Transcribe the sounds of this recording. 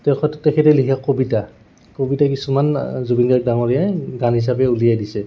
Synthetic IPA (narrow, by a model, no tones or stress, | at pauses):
tɛkɔttɛkʰɛtɛlikʰiakobita | kobitakisumanzubinɡak̚daŋɔɹijaɡanɦis̬apɛulijajdisɛ